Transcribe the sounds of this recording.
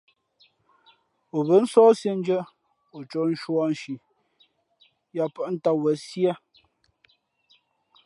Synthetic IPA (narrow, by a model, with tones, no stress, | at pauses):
o˨bə˨˦n̩˦sɔː˦sje˦n̩˦d͡ʒə˦ | o˨t͡ʃɔ˨˦n̩˦ʃwɔ˦n̩˨ʃi˨ | ja˨pə˦ʔn̩˦ta˦wə˨sja˦